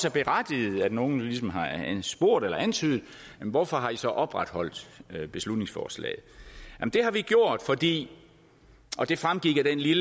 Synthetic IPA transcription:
sæb̥e̝ʁad̥ið̩ˠæd̥no̝ːn̩lis̬ɒ̽mɦɑ̈sb̥o̝ɐ̰d̥elɐʔænt͡sʰyːðð̩ˠ | jem̩ʋɒfɒ̽ɦɑ̈isɒ̽ʔɒ̽b̥ʁad̥hɒ̽l̰d̥b̥e̝slud̥ne̝ŋsfɒ̰ːslɛ̰ːð̩ˠjæmnd̥e̝hɑ̈ʋiɡ̥jo̝ɐ̰d̥fɒ̽d̥ḭː | ʔɒ̽d̥e̝fʁamɡ̥iɡ̥ɐd̥enlil

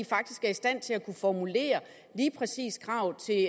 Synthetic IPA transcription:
ifɑ̈ɡ̥̚d̥isɡ̥æɐisd̥æn̰t͡sʰe̝ækʰufɒmule̝̰ːɐ | liːpʰʁɛsḭːsɡ̥ʁɑ̈ʊt͡sʰe̝

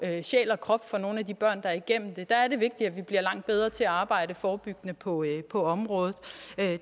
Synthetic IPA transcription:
øɕɛ̰ːlɒ̽kʰʁɒ̽b̥fɒ̽no̝ːn̩æd̥ib̥ɶɐ̰nd̥ɑ̈æɐiɡ̥em̰m̩d̥e̝d̥ɑ̈æɐɾe̝ʋe̝ɡ̥̚d̥iæʋib̥liɐlɑ̈ŋ̰d̥̚b̥eð̞ˠʁɐt͡sʰe̝æɑ̈ːb̥ɑ̈ɪ̰ɾəfɒːb̥yɡ̥ənəpʰɒ̽pʰɒ̽ɒ̽mʁɔ̽ːð̩ˠ

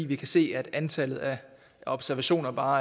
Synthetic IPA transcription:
ḭːʋikʰæse̝̰ːæd̥ænt͡sʰælð̞̩ˠæ | ɒ̽b̥sæɐʋæɕo̝̰ːnɐb̥ɑ̈ː

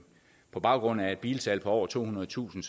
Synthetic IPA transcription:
pʰɒ̽b̥ɑ̈ʊɡ̥ʁɔ̽n̰æɐe̝d̥b̥ḭːlsʰælpʰɒ̽ɒ̰ːɐt͡sʰo̝̰ːunɐð̩ˠt͡sʰṵːsn̩s

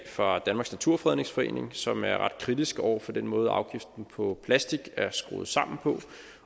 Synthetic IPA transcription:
fɑd̥ænmɑ̈ɡ̥snæt͡sʰuɐfʁɛðˠne̝ŋsfɒ̽ḛːne̝ŋsɒ̽mæɐʁɑ̈d̥̚kʰʁid̥isɡ̥ɒʊ̰ɐfɒ̽d̥enmɔ̽ːð̞̩ˠɑ̈ʊɡ̥ifd̥n̩pʰɒ̽pʰlæsd̥iɡ̥æɐsɡ̥ʁo̝ːð̩ˠsɑ̈m̰n̩pʰɒ̽

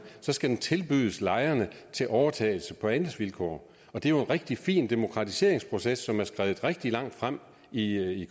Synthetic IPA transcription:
sɒ̽sɡ̥æd̥ent͡sʰe̝lb̥yð̰ˠəslɑ̈ɪɐnət͡sʰe̝lʔɒʊɐt͡sʰɛ̰ːɪl̩səpʰɒ̽ænəsʋilkʰɒ̰ː | ɒ̽d̥e̝æjo̝e̝nʁeɡ̥̚d̥ifḭːnd̥e̝mo̝kʰʁɑ̈t͡sʰise̝̰ɐ̰eŋspʰʁo̝sesːɒ̽mæɐsɡ̥ʁɛːð̩ˠʁeɡ̥̚d̥ilɑ̈ŋ̰d̥fʁam̰ | ii

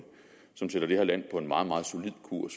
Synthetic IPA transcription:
sɒ̽msed̥ɐɾ̥e̝heɐ̰læn̰pʰɒ̽e̝nmɑ̈ːð̩ˠmɑ̈ːð̩ˠso̝lið̞̰ˠkʰṵɐ̰s

